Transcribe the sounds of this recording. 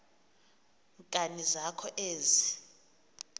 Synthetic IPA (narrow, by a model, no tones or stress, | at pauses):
ŋkʼanizakʰɔʔeːzi